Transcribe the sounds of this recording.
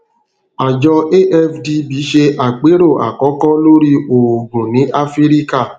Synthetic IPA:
a˨d͡ʒɔ˧e˦ʔɛ˦fdi˧bi˨˦ʃe˧ʔa˨k͡pe˨˦ɾo˦˨ʔa̰˨kɔ˨˦kɔ˦lo˦ɾi˧o˨ɡũ˨nĩ˨˦ʔa˦fi˦ɾi˦ka˦˨

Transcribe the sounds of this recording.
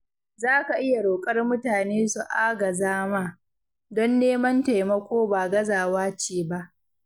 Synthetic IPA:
zaː˦ka˨ʔɪ˦ja˨ɽoː˨kʼɐ˦rmʊ˦taː˨neː˦su˨ʔaː˦ɡɐ˨zaː˦maː˦ | dɔ˦nːeː˦mɐ˦nta˨jmɐ˦kʷoː˦baː˨ɡɐ˦zaː˨waː˦t͡ʃeː˨ba˦ʔ

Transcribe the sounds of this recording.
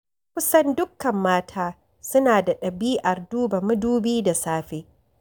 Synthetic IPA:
kʷʊ˦sɐ˦ndʊ˦kːɐ˨mːaː˦tʰaː˦ | sʊ˦naː˨da˨ɗɐ˨biː˦ʔɐ˨rduː˦ba˨mʊ˦duː˦biː˦da˨saː˦ɸeː˦

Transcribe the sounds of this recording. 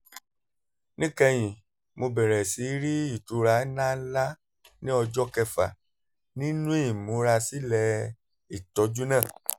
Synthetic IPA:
nĩ˦kɛ˧j̃ĩ˨ | mo˧bɛ˨ɾɛ˨si˨˦ɾi˦i˦˨tu˨˦ɾa˧˦nã˦la˦ | nĩ˦ɔ˧d͡ʒɔ˦kɛ˧fa̰˨ | nĩ˦nũ˦i˦˨mũ˨˦ɾa˧si˦lɛ˧ | i˨tɔ˨˦d͡ʒu˦nãː˦˨

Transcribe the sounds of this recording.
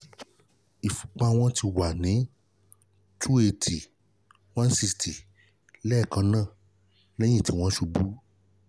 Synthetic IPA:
i˨fu̥˨k͡pa˧w̃ɔ̃˧tʰi˧wa˨nĩ˨˦ | tʰu˦e˧˨tʰi˨ | wã˦n̩˦si˧stʰi˨ | lɛ˦˨kã˧˦nãː˦˨ | lɛ̃˦j̃ĩ˦˨ti˨˦w̃ɔ̃˧˦ʃu˧bu˦

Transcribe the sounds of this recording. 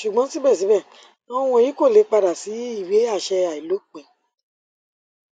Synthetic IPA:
ʃu˨ɡ͡bɔ̃˨˦si˦bɛ˦˨s̬i˨˦bɛ˦˨ | ɔ̃˦˧w̃ɔ̃˧˨jĩ˨˦ko˦˨le˨˦k͡pa˧da˨si˨˦i˦˨we˨˦a˦˨ʃɛ˧a˨i˨lo˨˦k͡pẽ˨

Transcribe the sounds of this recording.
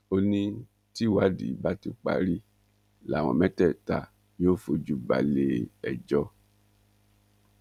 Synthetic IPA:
o˧nĩ˧ | ti˦wa˨˦dḭ˨˦ba˦ti˧k͡pa̰˨˧ɾi˦ | la˨w̃ɔ̰̃˨mɛ̃˦tɛ˦˨ta˧˦ | o˦fo˧d͡ʒu˨˦ba̰˨le˨ɛ˨d͡ʒɔ˧˦

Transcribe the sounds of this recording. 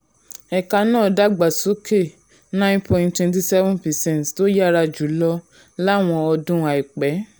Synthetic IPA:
ɛ˨ka˧nãː˦˨da˦ɡ͡ba˨so˨˦ke˦˨ | nã˦npɔ̃˨ntwɛ̃˧nt̬i˧sɛ˦vɔ̃˦npɛ˨sɛ̃˦ntto˦ja˦ɾa˧d͡ʒu˨˦lɔ˦ | la˦˨w̃ɔ̃˧ɔ˧dũ˦a˨i˨k͡pɛ˨˦

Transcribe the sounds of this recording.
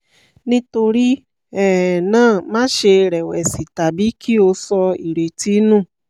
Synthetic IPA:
nĩ˦to˧ɾi˦ | ɛ˦˨nãː˦˨mãː˦ʃe˧ɾɛ˨wɛ˨si˨ta˨bi˨˦ki˦o˧sɔ˧i˨ɾe˨ti˨˦nũ˦˨

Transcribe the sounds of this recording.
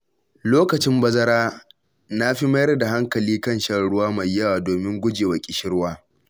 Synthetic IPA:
loː˦kɐ˨t͡ʃɪ˦mbɐ˦zɐ˦ɾaː˦ | na˦ɸi˦mɐ˦jɐ˦rda˨ɦa˦ŋkɐ˨liː˦kɐ˦˨nʃɐ˦ɽʊ˦waː˦mɐ˨jːɐ˦waː˨doː˨mɪ˦ŋɡʷʊ˦d͡ʒeː˨wɐ˨kʲʼɪ˨ʃɪ˦ɽwaː˦

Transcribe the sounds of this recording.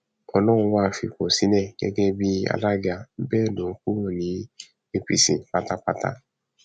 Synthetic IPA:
ɔ˦nɔ̃ː˦˨˧waː˦˨fḭ˨ko˨si˨˦nɛ˦˨ɡɛ̰˦ɡɛ˦bi˦a̰˨la˦ɡa˨˦bɛ˦˨nõ˨ŋ̩˦ku˦˨nĩ˨˦ | e˦pḭ˨sḭ̃˨k͡pa˦ta˦k͡pa˦ta̰˦

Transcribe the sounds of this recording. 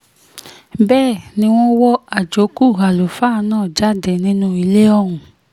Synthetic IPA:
bɛː˦˨nĩ˦w̃ɔ̃˦wɔ˦a˨d͡ʒo˨˦ku˦˨ɦa˨lo˨fa˦nãː˦˨d͡ʒa˦˨de˨nĩ˦nũ˦i˧le˦ɔ˦ɾ̃ũ˨

